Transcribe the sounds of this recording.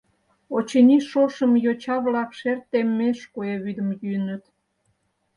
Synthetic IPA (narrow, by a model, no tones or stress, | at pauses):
ot͡ɕenʲiʃoʃəmjot͡ɕɑβlɑkʃert̪ːemːeʃkoeβyd̪əmjyənət̪